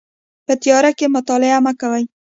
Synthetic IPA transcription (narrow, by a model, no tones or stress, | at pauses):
pət̪jɑɾakemʊt̪ɑlɪamakawaj